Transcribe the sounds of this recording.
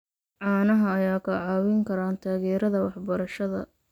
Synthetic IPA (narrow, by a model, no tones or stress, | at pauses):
ʕɑːnɐɦɐːjaːkʰɐʕɑːwɪŋkʰɐɾaːnt̪ʰaːɣɛːɾɐðɐwɑħbɐɾɐʃɐðɐ̰